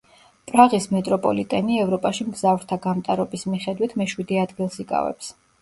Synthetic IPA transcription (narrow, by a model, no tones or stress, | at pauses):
pʼɾaʁismɛt̪ʼɾɔpʼɔ̰lit̪ʼɛniɛvɾɔpʼaʃimɡzavɾt̪ʰaɡamt̪ʼaɾɔbismiχɛd̪wit̪ʰmɛʃwid̪iad̪ɡilˠsikʼa̰vɛ̰ps